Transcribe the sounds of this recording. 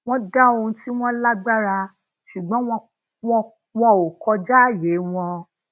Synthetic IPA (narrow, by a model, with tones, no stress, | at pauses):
w̃ɔ̃˦da˦o˧ũ˧ti˦w̃ɔ̃˦la˦ɡ͡ba˦ɾa˧ | ʃu˨ɡ͡bɔ̃˨˦wɔ̃˧ | wɔ̃˧ | wɔ̃˦˧o˨kɔ˧d͡ʒa˦˨je˨˦w̃ɔ̃˧